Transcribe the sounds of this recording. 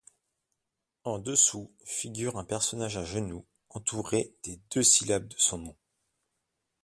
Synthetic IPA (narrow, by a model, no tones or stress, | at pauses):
ɑ̃d̪əsu | fiɡʲyʁɛ̃pɛʁsɔnaʒaʒənu | ɑ̃t̪ʰuʁed̪̥ed̪øsilab̚d̪əsɔ̃nɔ̃